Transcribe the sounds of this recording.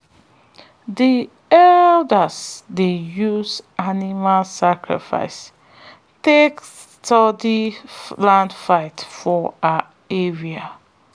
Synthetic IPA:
ði | ɛldəzdejuzʔanimalsakɹḭfa̰ɪs | teks | tɔdilãndfaɪtfɔa | eɹia

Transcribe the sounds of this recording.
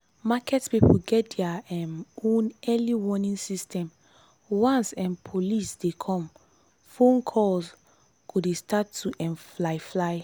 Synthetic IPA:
makɛtpipuɡɛt̚dɛaɛnõnɛliwɔnĩnsistɛ̃m | wãnsɛ̃npʰolisdekʰɔ̃m | fõnkʰɔls | ɡ̥udestatʰːuʔɛ̃nflaɪflaɪ

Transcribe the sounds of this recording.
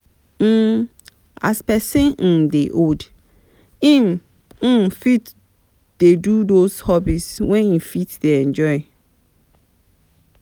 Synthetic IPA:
m̩ | a̰spɛsĩn̩deʔod | ĩm̩ | fit | d̥edudoshɔbiswɛ̃nifitd̥eɛ̃nd͡ʒɔɪ

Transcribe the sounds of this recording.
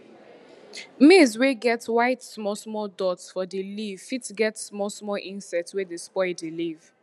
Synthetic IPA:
mezweɡɛtwaɪtsmɔsmɔdɔtsfɔdeliv̥fitɡɛtsmɔsmɔlʔĩnsɛtswedəspɔɪdeliv̥

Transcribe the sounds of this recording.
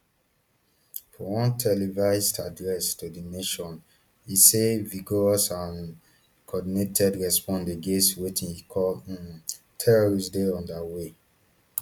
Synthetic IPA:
fɔwɔ̃ntʰɛlivaɪstadɹɛstudineʃɔ̃n | iseviɡɔɹɔsãn | kʰɔdinetʰɛdɹɛspɔ̃ndeɡeswetĩikʰɔ | tʰɛɹɔɹisdeɔ̃ndawe

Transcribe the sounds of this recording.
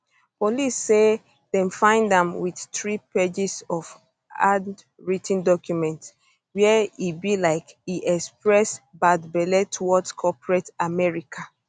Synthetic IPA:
pɔlisːe | dɛ̃nfãɪ̃ndãmwiθtɹiped͡ʒisɔf | ad | ɹitʰĩndɔkʰjumɛ̃nt | wɛibilaɪkiʔɛkspɹɛsbadbɛlɛtʰwɔtkʰɔpɹɛtamɛɹikʰa

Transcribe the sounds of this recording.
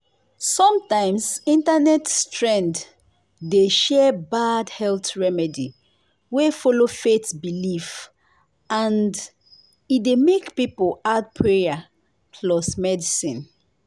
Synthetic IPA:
sɔ̃mtãɪ̃msĩntanɛtstɹɛ̃nd | deʃɛbadhɛlθɹɛmɛdi | wefɔlofetbilif | ãnd | idemekpipolad̚pʰɹeja | pʰlɔsmɛdisḭ̃n

